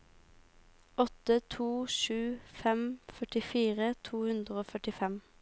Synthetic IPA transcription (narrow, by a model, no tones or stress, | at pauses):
ɔt̪ət̪ʰuːʃʉːfɛmfœʈɪfiːʁət̪ʰuːhʉnd̪ʁəoːfœʈɪfɛm